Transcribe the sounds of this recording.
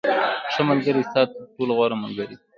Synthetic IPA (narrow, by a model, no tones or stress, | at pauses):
ʂəmalɡəɾisɑt̪̚ʈolaɣwɑɾamalɡəɾi